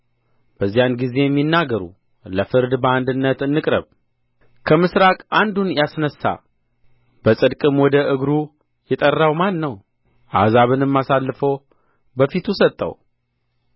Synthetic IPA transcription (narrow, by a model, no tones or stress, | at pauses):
b̥əzːijanɡize̞jɛmːinːaɡəɾṵ | ləfɨɾd̪bəand̪ɨnːət̪ɨnːɨkʼɾə̰β | kʰəmɨsɾakʼand̪unjasnəsːa̰ | b̥əsʼɨd̪kʼɨmwɔd̪əʔɨɡɾu | jɛt̪ʼərːawmanːəw | ʔazaβɨnɨmːasalːɨfəw | bəfit̪ʰusət̪ʼːə̰w